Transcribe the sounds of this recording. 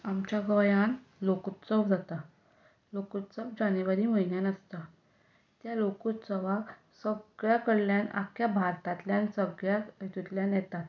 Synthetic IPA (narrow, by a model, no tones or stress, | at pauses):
amt͡ɕjaɡəjanlokut̪səʋd͡zat̪a | lokut̪səʋd͡ʑaneʋaɾiməinjanəst̪a | t̪jalokut̪səʋa | səɡɭjakəɽljana̰kʰjabʱaɾt̪at̪ljansəɡɭjait̪ut̪ljanjɛt̪at̪